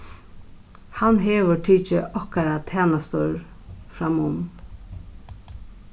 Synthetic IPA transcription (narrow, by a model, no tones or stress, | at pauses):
hanɦeːʋəʈʰiːt͡ʃəʔɔkaɾat̪ʰɛːnast̪ɔɹ | fɾamʊm